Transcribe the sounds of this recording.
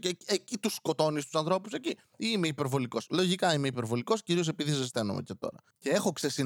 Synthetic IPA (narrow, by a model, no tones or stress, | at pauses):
eecit̪usko̞t̪o̞nist̪u̥sɐnθɾo̞puse̞ci | ime̞ipe̞ɾvo̞liko̞slo̞ʝikɐime̞ipeɾvo̞liko̞sciɾiose̞piðisɐst̪enomḛce̞t̪o̞̰ɾɐ | ce̞exo̞ksesi